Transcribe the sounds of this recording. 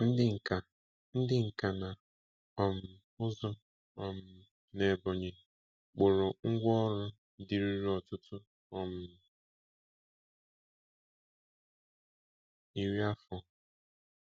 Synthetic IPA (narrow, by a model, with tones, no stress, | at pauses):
n̩˦dɪ˦ŋ̩˨ka˨ | n̩˦dɪ˦ŋ̩˨ka˨na˨ | ɔ˨m̩˨ | ʊ˦zɔ˦ | ɔ˨m̩˨ | ne˨bɔ˨ɲe˨ | k͡pʊ˨ɾʊ˨ŋ̩˦ɡʷɔ˦ɾʊ˦ | di˨ɾi˦ɾi˦ɔ˨tʊ˦tʊ˦ | ɔ˨m̩˨ | i˦ɾi˦a˦fʊ˦